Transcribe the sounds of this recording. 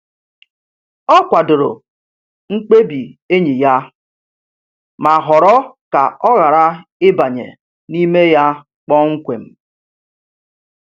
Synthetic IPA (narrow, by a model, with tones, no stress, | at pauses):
ɔ˦kʷa˨dʊ˨ɾʊ̰˨ | ŋ͡m̩˦k͡pe˦bi˨e˦ɲi˨ja˦ | ma˨ɦɔ˨ɾɔ˦ka˨ɔ˦ɣa˨ɾa˦ɪ˦ba˨ɲḛ˨ | ni˦me˦ja˦ | k͡pɔ˦ŋ̩˦kʷḛ˨m̩˨